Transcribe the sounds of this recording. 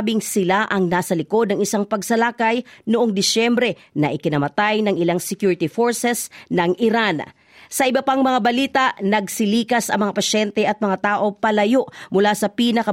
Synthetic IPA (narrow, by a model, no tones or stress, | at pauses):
bɪŋsɪlaʔɐŋnaːsɐlɪko̞d̪̚nɐŋɪsaŋpɐɡsɐlakɐjnʊʔoŋd̪ɪsɛmbɾɛ | nɐʔɪkɪnɐmɐt̪ajnɐŋɪlaŋsɛkjuːɹɪt̪ifoɹsɛsnɐŋɪɾan | sɐʔɪbɐpaŋmɐŋabɐliːt̪ɐʔnɐɡsɪliːkɐsʔɐ̰ŋmɐŋapɐʃɛnt̪ɛʔɐt̪̚mɐŋat̪aːʔo̞pɐlɐjo̞ʔmʊlasɐpiːnɐkɐ